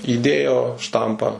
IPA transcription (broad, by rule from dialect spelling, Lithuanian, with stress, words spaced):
iːˈdʲeːjoː ˈʃtɐmpɑː